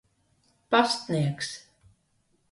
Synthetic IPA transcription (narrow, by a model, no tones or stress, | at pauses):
past̪niɛks